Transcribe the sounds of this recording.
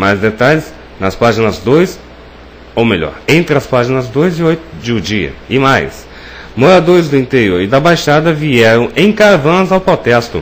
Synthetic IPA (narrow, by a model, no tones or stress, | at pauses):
majzd̪et̪aʎɪs | nɐspaʒinɐzd̪ojs | owmeʎɔ̰ɾẽnt̪ɾɪɐspaʒinɐzd̪ojzɪojt̪ʊd͡ʒɪʊd͡ʒiɐ̰ɪmajs | moɾad̪oɾɪzd̪ʊĩnt̪eɾioɾɪd̪ɐbajʃad̪ɐviɛɾɐ̃w̃ẽj̃kaɾvɐ̃zawpɾot̪ɛst̪ʊ̰